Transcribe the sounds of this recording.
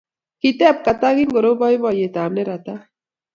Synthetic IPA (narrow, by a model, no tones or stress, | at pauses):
kit̪ɛp̚kat̪aɣinɡoɾobɔjbɔjet̪amneɾat̪a